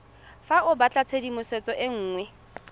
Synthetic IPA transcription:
faʔʊbat͡ɬʼat͡sʰedimʊsɛt͡sʼɔʔɪŋ̩ːŋwɛ

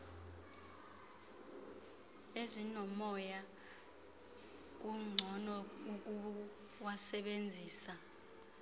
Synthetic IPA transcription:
ezinɔmɔja | k̬ʼuŋ͡ǀʱɔnɔuk̬ʼu | wasɛɓend͡zʱiːsa

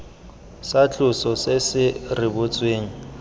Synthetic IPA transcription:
sat͡ɬʼʊsɔsɪsɪrɪbʊt͡sʼweːŋ̩

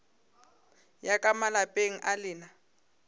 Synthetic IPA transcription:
jakʼamalapʼeŋ̩ʔalɪːna

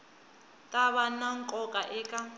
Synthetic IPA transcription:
tʼaβanaŋ̩kʼɔkʼaʔɛːkʼa

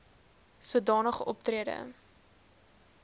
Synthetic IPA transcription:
suədɑːnəχəʔɔp̚triədə̰

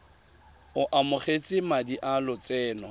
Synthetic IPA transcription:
ʊʔamʊχet͡sʼɪmadiʔalʊt͡sʼɛːnɔ

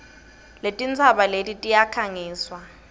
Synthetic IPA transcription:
letʼint͡sʰaɓaletʼitʼijakʰaŋiːswa

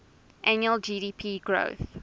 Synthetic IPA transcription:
ʔænjuəlˠd͡ʒiːɾiːpʰiːɡɹo̰ʊθ

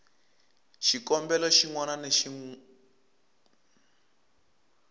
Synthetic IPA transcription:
ʃikɔmbɛlɔʃiŋwananeʃi

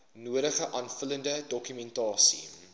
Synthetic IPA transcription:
nuəɾəχəʔɑːnfələndədɔkymɛntɑːsḭ

